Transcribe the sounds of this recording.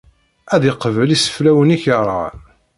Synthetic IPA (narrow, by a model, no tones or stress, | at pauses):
æðɪqəvəlisə̥flæwəniçəɾˤɑ̰